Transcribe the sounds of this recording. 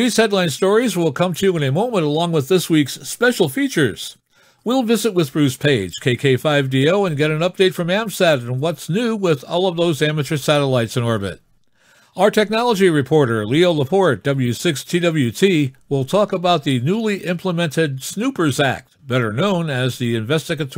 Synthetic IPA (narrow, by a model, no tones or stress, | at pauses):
ðiz̥hɛdˡlãɪ̃nstɔɹizwɪlˠkʰʌ̃mtʰɨjʉə̃nɨmõʊ̃mə̃ñtəlɔ̃ŋwəðɪswikspɛʃl̩ˠfit͡ʃə˞z̥ | wilˠvɪzɨt̚wɨðb̥ɹʉspʰeɪd̥ʒ̥kʰeɪkʰeɪfaɪvdioʊɨ̃nɡɛɾɨ̃nʌp̚d̥eɪtfɹʌ̃mæ̃msɛɾɨ̃nwʌtsnʉwɪðɔ̰lˠʌvðoʊzæmɨt͡ʃə˞sæɾəlaɪtsɨ̃nɔɹbɨ̰t̚ | aʊə˞tʰɛk̚nɑlˠəd͡ʒiɹɨpʰɔɹɾə˞lioʊləpʰɔɹt̚d̥ʌbl̩ˠjʉsɪkstʰidʌbl̩ˠjʉtʰiwɪlˠtʰɔkəbaʊt̪̚ðinulˠiʔɪ̃mpʰləmɛ̃ntɪdsnʉpə˞zæ̰k̚t̚b̥ɛɾə˞nõʊ̃nɨzðiɨ̃ɱvɛstɨɡɨtʰ